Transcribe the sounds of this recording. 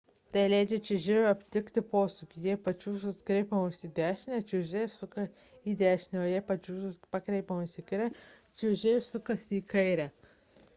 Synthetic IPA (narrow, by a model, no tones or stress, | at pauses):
t̪ɐlʲæɪd͡ʒʲɛt͡ʃʲɪʒʲeʋʲɐpʲt̪ʲɪkt̪ʲɪpoːsʊkʲɪjiɛpɐt͡ʃʲuːʒʊskɾʲɛɪpɐmɐsiːd̪ʲæːʃʲnʲɛt͡ʃʲʊʒʲeːjsʊkɐ | iːd̪ʲæːʃʲnʲɛoːjiɛpɐt͡ʃʲuːʒɐspɐkɾʲɛɪpɐmɐsʲiːkɐɪɾʲɛ | t͡ʃʲɪʊʒʲeːjɪsʊkɐsiːkɐɪɾʲæː